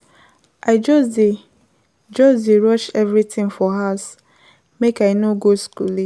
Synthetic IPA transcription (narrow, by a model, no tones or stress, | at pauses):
ʔaɪd͡ʒɔsde | d͡ʒɔsdeɹɔʃɛvɹitʰɪ̃ŋfɔɦas | mekaɪnoɡoskṵli